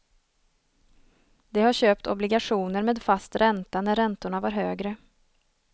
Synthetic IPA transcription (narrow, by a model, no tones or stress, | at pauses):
d̪ɛhaɾɕøːpt̪ɔ̰blɪɡaɧuːnəɾmeːd̪fast̪ɾɛnt̪anæɾːɛnt̪ʊɳavaɾɦøːɡɾə